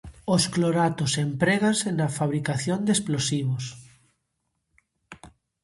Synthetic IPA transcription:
oskloɾat̪osempɾeɣansenafaβɾikaθjond̪esplosiβos

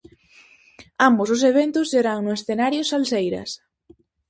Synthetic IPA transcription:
ambosʊs̬eβ̞ent̪ʊsːeɾaŋnʊesθenaɾjʊsalsejɾɐ̰s

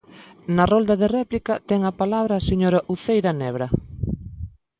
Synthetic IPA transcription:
nɐrold̪ɐðerɛplikɐt̪ɛŋapalaβɾaseɲoɾaʔuθejɾanɛβ̞ɾɐ

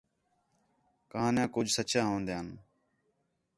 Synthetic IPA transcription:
kəɦãːnjãːkʊd͡ʒʱsət͡ʃãːɦõːnd̪jãːn

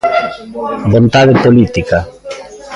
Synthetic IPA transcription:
bõnt̪aðepolit̪ika

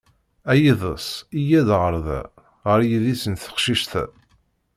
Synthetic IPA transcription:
æjiðˤəsˤijæðʁəɾˤðæ̰ | ʁəɾjiðisənθə̥χʃiʃθæ̰

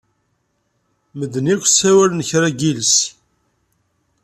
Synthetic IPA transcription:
məd̪ənikʷsæwælnəçɾæɡils

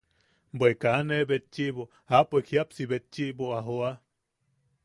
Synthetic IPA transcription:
mbwekanebet̪̚t͡ʃiʔβo | apekhjapsiβet̪̚t͡ʃiʔboaɦoa

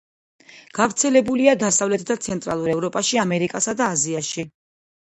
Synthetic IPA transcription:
ɡ̥avɾt̪sʰɛlɛbuliad̪asavlɛt̪ʰd̪at̪sʰɛnt̪ʼɾa̰lˠuɾɛvɾɔpʼaʃiamɛɾikʼasad̪aːziaʃi

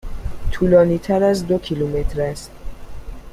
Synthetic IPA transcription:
t̪ʰuːlɒːniːt̪ʰæɾæzd̪o̞kʰilume̞t̪ɾæst̪

